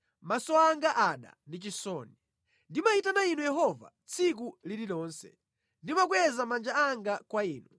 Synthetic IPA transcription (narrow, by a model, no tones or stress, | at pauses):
masɔaŋɡaʔaɗa̰ndit͡ʃisɔːni | ndimaitanainujɛɦɔva̰t͡sʰik̬uliliɗɔːnsɛ̰ | ndimak̬wɛzamand͡ʒaaŋɡakwaiːnu